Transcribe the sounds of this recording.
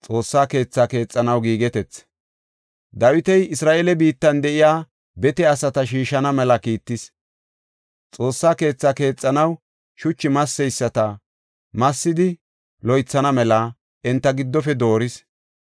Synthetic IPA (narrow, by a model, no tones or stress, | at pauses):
t͡sʼo̞ːsːaːke̞ːt͡sːaːke̞ːt͡sʼːɐnɐwɡiːɡɛt̪ɛt͡s | d̪ɐwɪt̪ɛjɪsɾaːʔeːlɛbiːt̪ːɐnd̪ɛʔɪjaː | bɛt̪ɛɐsɐt̪ɐʃiːʃɐnɐmɛlɐkiːt̪ːɪs | t͡sʼo̞ːsːaːke̞ːt͡sːake̞ːt͡sʼːɐnɐw | ʃʊt͡ʃːɪmɐsːɛjsːɐt̪ɐ | mɐsːɪd̪ɪ | lɔjt͡sːɐnɐmɛlɐ | ɛnt̪ːɐɡɪd̪ːɔfɛd̪o̞ːɾɪs